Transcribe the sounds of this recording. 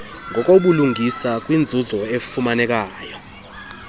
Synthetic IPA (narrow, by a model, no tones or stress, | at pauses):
ŋɡʱɔk̬ʼoɓuluŋʱisak̬ʼwind͡zʱuzɔefumanɛk̬ʼaːjɔ